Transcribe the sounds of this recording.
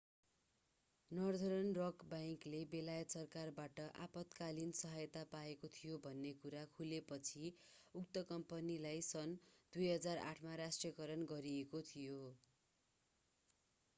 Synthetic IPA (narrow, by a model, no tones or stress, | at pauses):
nʌrd̪ʱʌɾʌnrʌkbajŋklebelajʌt̪sʌrkarbaʈʌʔapʌt̪kalinsʌɦʌjt̪apaekot̪ʰijobʱʌnːekuɾakʰulepʌt͡sʰi | uk̚t̪ʌkʌmpʌnilajsʌnd̪̥ujɦʌd͡zara̰ʈʰmaɾasʈrʌkʌɾʌnɡʌɾiekot̪ʰijo